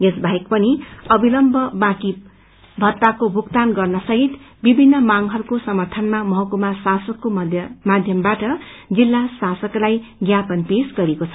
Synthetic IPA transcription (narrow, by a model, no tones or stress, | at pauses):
esbʱaɦjkpʌniʌbilʌmbʱʌbãki | bʱʌt̪ːakobʱukt̪anɡʌrnʌsʌɦit̪ | bibʱinːʌmaŋɦʌrukosʌmʌrt̪ʰʌnmamʌɦʌkumasasʌkːomad̪ʱjʌmbaʈʌ | d͡zilːasasʌklajɡjapʌnpesɡʌɾekot͡sʰʌ